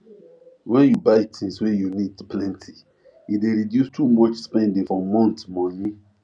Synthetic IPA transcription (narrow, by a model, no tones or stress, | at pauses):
wɛ̃njubaɪtʰĩŋswejunidplɛ̃ntʰi | ideɹidjustʰumɔt͡ʃspɛ̃ndẽfɹɔ̃mːɔ̃ntmɔ̃ni